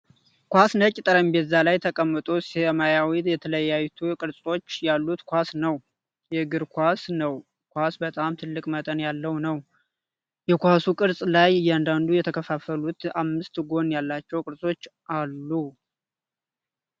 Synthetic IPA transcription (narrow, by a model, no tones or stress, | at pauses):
kʷasnəcʼːɪt̪ʼəɾəmbɛzːalajt̪ʰəkʼəmːɨt̪ʼosemajawid̪jɛt̪ʰələjːajt̪ʰukʼɨɾsʼo̞t͡ʃːjalːut̪kʷasnəw | jɛɡɨɾkʰʷasnəw | kʰʷasbət̪ʼamt̪ʰɨlːɨkʼmət̪ʼənjalːəwnəw | jɛkʷasukʼɨɾsʼlajɨjːand̪and̪ujɛt̪ʰəkʰəfafəlut̪amːɨst̪ɡo̞njalːat͡ʃːɛwkʼɨɾsʼo̞t͡ʃːʔalːu